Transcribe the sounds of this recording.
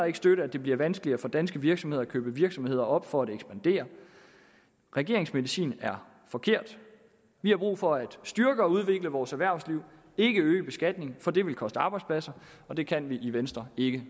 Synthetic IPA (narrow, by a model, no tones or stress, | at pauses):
ɐe̝ɡ̥sd̥øɾəæd̥e̝b̥liɐʋænsɡ̥əliɐfɒ̽d̥ænsɡ̥əʋiɐɡ̥sɒmhḛækʰø̰ːb̥əʋiɐɡ̥sɒ̽mhe̝ð̞̰ˠɐɒ̽b̥fɒ̽æd̥eɡ̥sb̥ænd̥e̝̰ːɐ | ʁɛɡ̥e̝ɐ̰eŋsmeðisḭːnæɐ | fɒ̽kʰe̝ɐ̰d̥ | ʋihɑ̈b̥ʁṵːfɒ̽æd̥sd̥yɐɡ̥əɒ̽uð̞ˠʋe̝ɡ̥ləʋɒːsæɐʋæɐ̰ʊsliʊ̰ | e̝ɡ̥əøːəb̥e̝sɡ̥æd̥ne̝ŋfɒ̽d̥e̝ʋe̝lkʰɒ̽sd̥əɑ̈ːb̥ɑ̈ɪdspʰlæsɐ | ɒ̽d̥e̝kʰænʋiʔiʋensd̥ʁɐe̝ɡ̥ə